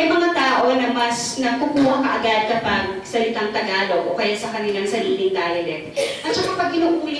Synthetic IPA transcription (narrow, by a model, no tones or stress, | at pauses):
ɐjmɐŋat̪aːʔo̞nɐmɐsnɐkukuːhɐkɐʔɐɡad̪̚kɐpaɡ̚sɐlɪt̪aŋt̪ɐɡaːloʔʔokɐjasɐkɐnɪlaŋsɐɾiːlɪŋd̪aːjɐlɛt̪ʔɐt̪̚t͡ʃɐkapɐɡ̚kɪnuːʔuːlɪ